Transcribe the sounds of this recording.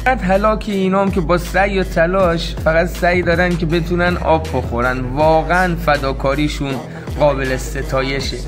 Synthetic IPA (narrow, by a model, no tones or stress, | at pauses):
æt̪ɦælɒːkʰeiːnɒːmcʲe̞bɒːsæjːɒt̪ʰælɒːʃ | fæɣæd̪sæjd̪ɒːɾæncʰʲe̞be̞t̪ʰuːnænʔɒ̰ːbːo̞xo̞ɾænd̪vɒːɣeænfæd̪ɒːkʰɒːɾiːʃun | ɢɒːbe̞lese̞t̪ʰɒːje̞ʃe